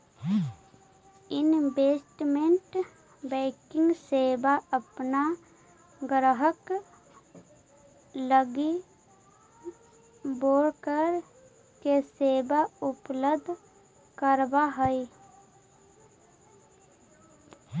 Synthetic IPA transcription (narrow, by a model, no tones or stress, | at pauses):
ɪnbeːsʈmẽɳʈ | bɛːkɪ̃ŋɡseːbaəpna | ɡɾəɦək | ləɡi | boːɾkəɾ | keseːbaʊpləbd̪ʱ | kəɾbaɦəi